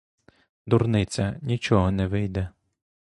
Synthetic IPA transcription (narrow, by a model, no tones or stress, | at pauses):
d̪urnɪt͡sʲɐnʲit͡ʃɔɦɔnɛʋɪjd̪ɛ